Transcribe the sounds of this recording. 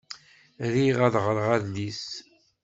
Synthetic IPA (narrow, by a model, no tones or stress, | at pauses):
ɾiʁæðʁəɾˤʁæðlis